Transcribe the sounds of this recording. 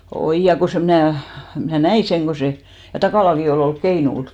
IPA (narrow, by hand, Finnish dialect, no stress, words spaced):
oij jɑ ko se mĭnæˑ mnæˑ næi seŋ ko se jɑ tɑkɑˑlɑki oliˑ olk keinul